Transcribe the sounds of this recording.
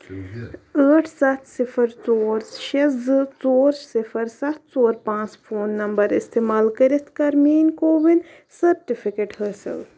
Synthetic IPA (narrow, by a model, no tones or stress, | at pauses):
əːʈʰsɐt̪ʰsifʰəɾt͡soːɾʃizɨt͡soːɾsɪfʰɐɾsɐt̪̚ʰt͡soːɾpãːt͡sfʰoːnːɐmbɐɾist̪eːmaːlkɐɾit̪ʰkɐɾmiːnkoːʋin | sɐɾʈifʰikeːʈhəːsḭl